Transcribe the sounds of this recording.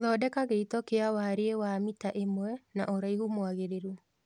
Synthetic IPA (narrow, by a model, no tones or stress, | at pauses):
ðɔdɛkaɣeitɔkeawaːɾeewaːmitaʔemwɛnaʔoɾaihumwaɣeɾeɾu